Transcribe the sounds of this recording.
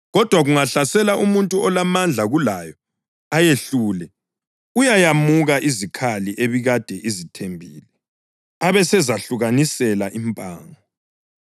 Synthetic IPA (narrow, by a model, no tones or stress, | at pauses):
ɣɔd̥ʱwaɣuŋaɬasɛlaʔumuntʼuɔlamand͡ɮʱaɣulajɔ | ajeɬuːlɛ | ujajamuɣaʔizikʰaliʔeβiɣad̥ʱɛʔizitʰembʱiːlɛ | aβɛsɛzaɬuɣanisɛlaʔimpʼa̰ːŋɔ